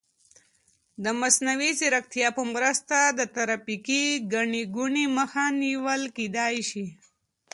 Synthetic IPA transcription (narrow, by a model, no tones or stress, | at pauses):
d̪əmasnawisiɾakt̪ijɑpəmɾəst̪ad̪ət̪aɾapikiɡaɳiɡuɳiməxaniwəlkid̪ɑjʃi